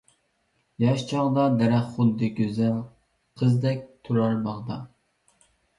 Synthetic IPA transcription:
jɑʃt͡ʃʰɑʁd̪ɑd̪ɛɾæχχʊd̪ːɨɡʲøzɛn | qʰəzd̪ɛk̚ʲt̪ʰuɾɑɾbɑʁd̪ɑ

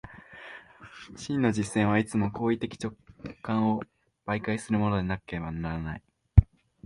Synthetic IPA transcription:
ɕĩnːo̞d͡ʑisːẽ̞ɰ̃βait͡sɨmo̞ko̞ːit̪e̞kʲi̥t͡ɕo̞kːãɰ̃o̞ | b̥aikaisɨɾɯ̟mo̞no̞d̪enakɯ̥keebanaɾana̰i

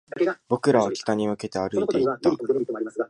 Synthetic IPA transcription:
bo̞kɯ̟ɾaβakʲi̥k̪aɲ̟imɯ̟ke̞t̪e̞aɾɯ̟it̪eit̪ːt̪a

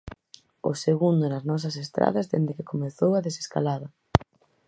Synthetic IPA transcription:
ʊ̰seɣund̪ʊnɐznɔs̬ɐsest̪ɾa̰ðɐzðend̪ekɪkomeθowɐðese̥ska̰laðɐ

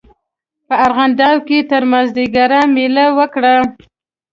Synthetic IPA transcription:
pəaɾɣand̪ɑwket̪əɾmazd̪iɡaɾamelawəkɽa

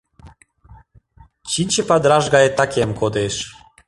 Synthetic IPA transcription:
t͡ɕinʲt͡ɕepad̪ɾaʒɡaet̪akʲɛmkod̪eʃ

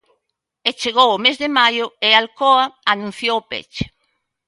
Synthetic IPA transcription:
et͡ʃeɣowʊmezðemajʊealkoaanũn̟θjowpḛt͡ʃe̥

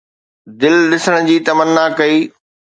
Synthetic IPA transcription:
d̪ɪlɗɪsəɽ̃ʊ̆d͡ʑiːt̪ɐmənːakɐiː

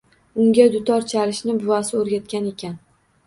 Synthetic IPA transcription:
ʊŋɡʲad̪ʊt̪ʰɒɾt͡ʃʰaɾɪʃnɪbʊvasɪoɾɡʲat̪̚kʲane̞kʲan

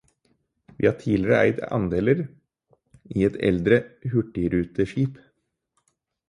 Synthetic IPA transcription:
ʋḭːhɑːʈʰiːlɪɾəʔæ̰ɪt̪ɑ̰nd̪eːləɾ | iːɛt̪ʰɛ̰ld̪ɾəhʉʈːɪɾʉːt̪əʃiːp

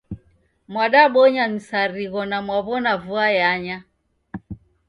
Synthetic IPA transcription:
mwaɗaɓɔɲamisaɾiɣɔnamwaβɔnavuajaɲa

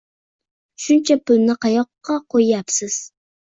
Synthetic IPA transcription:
ʃunt͡ʃʰɛpʊlnɪqɑjɔqːɑqʰojjɑpsɪz̥

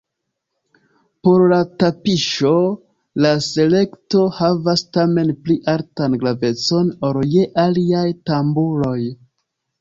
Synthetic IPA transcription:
po̞ɾlatapiʃo̞ | lase̞le̞kto̞havastame̞npliʔaltanɡlave̞t͡so̞noɾjeʔaliajtambulo̞j

